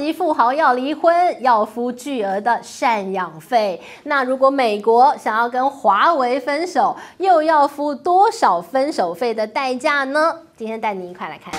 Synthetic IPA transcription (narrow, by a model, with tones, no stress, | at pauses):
i˧˥fu˥˩xɑ˧˥ʊjɑ˥˩ʊli˧˥xwə˥njɑ˥˩ʊfu˥t͡ɕy˥˩ə˧˥d̪ə˧˨ʂa˥˧njɑ˨˩ŋfe˥˩ɪ | na˥˩ɻu˧˥kwɔ˧˥me˨˩ɪkwɔ˧˥ɕɑ˨˩ŋjɑ˥˩ʊkə˦nxwa˧˥we˧˥ɪfə˥nʂo˨˩˦ʊjo˥˧ʊjɑ˥˩ʊfu˥t̪wɔ˥ʂɑ˨˩ʊfə˦˥nʂo˨˩ʊfe˥˩ɪd̪ə˩t̪a˥˧ɪt͡ɕja˥˩nə˩t͡ɕi˥ntʰjɛ˥nt̪a˥˩ɪni˨˧˩i˧kʰwa˥˩ɪla̰˧˥ɪkʰa˥˩n